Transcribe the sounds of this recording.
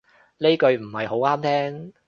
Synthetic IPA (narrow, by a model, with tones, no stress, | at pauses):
le˥kɵ˧ɥm̩˨˩hɐ˨jho˨˥waː˥mt̪ʰɛː˥ŋ